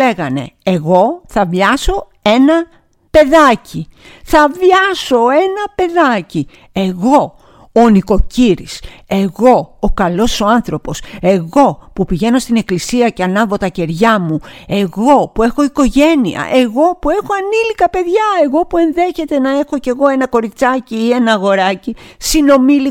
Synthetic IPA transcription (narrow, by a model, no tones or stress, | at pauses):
eɣɐne̞̰ːɣo̞θɐvʝɐso̞ | e̞nɐ | pe̞ðɐci | θɐvʝɐso̞e̞nɐpe̞ðɐci | e̞ɣo̞ː | niko̞ciɾise̞ɣo̞ːkɐlo̞so̞ɐnθɾo̞po̞se̞ɣo̞pupiʝe̞no̞st̪ine̞klisiɐceɐnɐvo̞t̪ɐce̞ɾʝɐmue̞ɣo̞pue̞xo̞iko̞ʝe̞niɐ̰ʔe̞ɣo̞pue̞xo̞ɐnilikɐpe̞ðʝɐe̞ɣo̞pue̞nðe̞çe̞t̪e̞nɐe̞xo̞ce̞ɣo̞e̞nɐko̞ɾit͡sɐciːe̞nɐːɣo̞ɾɐcisino̞mili